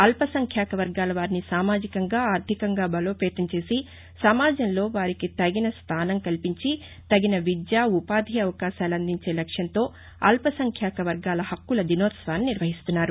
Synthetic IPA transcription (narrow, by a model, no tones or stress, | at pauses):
ɐlpɐsɐŋkʰjaːkɐʋɐɾɡaːlɐʋaːɾinisaːmaːd͡ʒikɐŋɡaːaːɾt̪ʰikɐŋɡaːbɐlo̞ːpɛːt̪ɐnt͡ʃe̞ːsi | sɐmaːd͡ʒɐmlo̞ːʋaːɾikit̪ɐɡinɐst̪ʰaːnɐŋkɐlpiɲt͡ʃi | t̪ɐɡinɐʋid̪jaːupaːd̪ʱiɐʋɐkaːʃaːluɐnd̪iɲt͡ʃe̞ːlɐkʂjɐnt̪o̞ː | ɐ̰lpɐsɐŋkʰjaːkɐʋɐɾɡaːlɐhɐkːulɐd̪inoːt̪sʋaːniniɾʋɐɦist̪unːaːɾu